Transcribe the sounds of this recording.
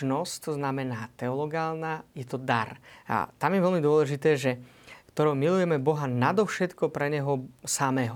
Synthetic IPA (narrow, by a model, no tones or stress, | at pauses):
nɔsct̪ɔznamɛnaːt̪ɛɔlɔɡaːlnajɛt̪ɔd̪aɾa̰t̪amjɛʋɛlmid̪ʊɔlɛʒit̪ɛːʒɛ | kt̪ɔɾɔwmilujɛmɛbɔɦanad̪ɔfʃɛt̪kɔpɾɛɲɛɦɔsamɛːɦɔ